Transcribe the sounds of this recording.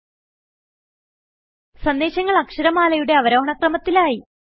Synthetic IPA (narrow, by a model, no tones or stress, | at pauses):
sɐnd̪eːɕɐŋːɐɭɐkʂɐɾɐmaːlɐjuɽe̞ɐʋɐɾo̞ːɦɐɳɐkrɐmɐt̪ːilaːji